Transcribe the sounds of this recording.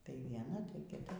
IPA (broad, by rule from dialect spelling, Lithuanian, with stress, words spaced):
tɐɪ ʋʲiɛˈnɐ tɐɪ kʲɪˈtɐ